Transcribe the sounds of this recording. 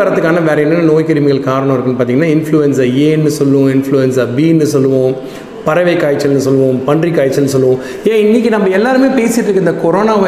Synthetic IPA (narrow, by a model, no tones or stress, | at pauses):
ɐɾɐt̪ːɯkːaːnɐʋeːɾɐɛnːɐnːɐnoːjkɐɾɪmɪɣɐɭkaːɾɐɳɔ̃ɪɾɯkːɯnːɯpaːɾt̪iŋɐnːaːɪnfluɛns̬ɐɾeːnːɯsɔlːɯʋõɪnfluɛnsɐbiːnːɯsɔlːɯʋõː | pɐɾɐʋɐɪkːaːjt͡ʃːɐlnɯsɔlːɯʋõːpɐɳɖrikːaːjt͡ʃːɐlnɯsɔlːɯʋõː | jẽːɪnːik̬ːinɐmːbɐɛlːaːɾɯmeːpeːsɪʈːrɯkːɯɪnd̪ɐkɔɾoːnaːʋɐ